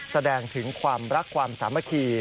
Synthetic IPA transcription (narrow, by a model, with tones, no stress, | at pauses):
sa˧dɛː˧ŋt̪ʰɯ˩˦ŋkʰwaː˧mɾa˦˥kʰːwaː˧msaː˩˦mːa˧˩kʰiː˧